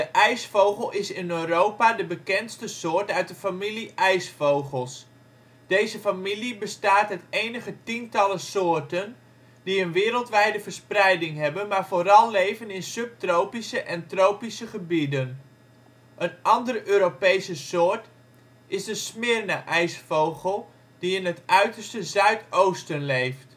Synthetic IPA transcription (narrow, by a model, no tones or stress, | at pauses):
dəʔɛjsfowχəlˠɪsɪnøːrowpadəbəkɛnstəsʊːrtœɥt̚dəfamiliʔɛjsfowχəlˠs | d̥ejzəfamilibəstaːtɦɛtejnəχətintɑləsʊːrtən | d̥iənʋɪːɾəlˠtʋɛjdəvəɹsprɛjdɪŋɦɛbənmaːɹvoːɾɑlˠlejvənɪnsɵp̚trowpisəʔɛntrowpisəχəbidən | ʔənʔɑndərøːɾopejsəsʊːɹt | ɪzdəsmɪɹnəʔɛjsfowχəlˠ | d̥iɪnɦətʔœɥtəɹstəzœɥtowstənlejft